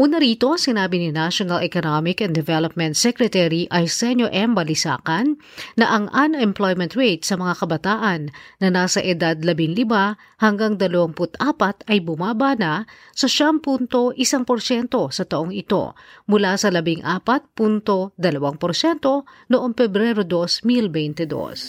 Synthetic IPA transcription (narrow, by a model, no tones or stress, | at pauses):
ʔuːnɐɾiːt̪o̞sɪnaːbininaʃonɐlʔɛkonomɪkɛ̃nd̪ɛvɛlop̚mɛ̃nt̪̚sɛkɾɛt̪ɛɾiʔɐjsɛnoʔɛmbɐlɪsa̰ːkɐnː | ɐʔɐŋʔɐnɛmplojmɛ̃nt̪ɹejt̪sɐmɐŋakɐbɐt̪aːʔɐnːɐnaːsɐʔɛd̪ad̪̚lɐbɪŋlɪba | hɐŋɡaŋd̪ɐlɐwaŋpʊt̪aːpɐt̪ɐjbʊmaːbana | sɐʃaŋpunt̪o̞ʔɪsaŋpoɾʃɛnt̪o̞sɐt̪ɐʔo̞ŋɪt̪o̞̰mʊlasɐlɐbiŋʔa̰ːpɐt̪̚punt̪o̞d̪ɐlɐwaŋpoɾʃɛnt̪o̞noʔo̞ŋpɛbɾɛɾod̪o̞smilbɛjnt̪ɛd̪o̰s